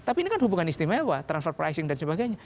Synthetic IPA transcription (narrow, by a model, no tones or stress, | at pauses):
t̪apinikanhubuŋanist̪imewat̪ɾansfɛrpɾa̰jsɪŋdansəbaɡajɲa